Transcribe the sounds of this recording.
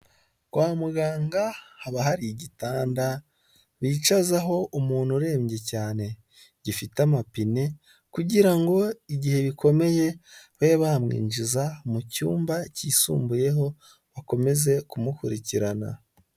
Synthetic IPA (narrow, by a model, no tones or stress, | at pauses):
ɡ̥waːmuɡaːŋɡahaβaɦaɾiɟitaːnda | βiːt͡ʃazaɦo̞umuːn̥uɾe̞ːmɟe̞caːne̞ | ɟifitamapine̞ | kuɟiɾaŋɡo̞iɟihe̞βikʰo̞me̞je̞βeβahamŋḭːnd͡ʒizamucuːmbaciːsṵːmbuje̞ɦo̞ | βako̞me̞ze̞kumukuɾiciɾana̰